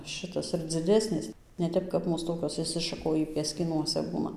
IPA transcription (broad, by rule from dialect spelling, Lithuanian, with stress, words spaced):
ˈʃɨtɐs ɪr d͡zʲɪˈdʲæːsʲnʲeːs nʲɛ ˈtʲɛp kɐp ˈmuːs ˈtoːkʲoːs ɪʃʲsʲɪʃɐˈkoːjiː pʲiɛsʲkʲiːˈnuɔsʲɛ ˈbuːnɐ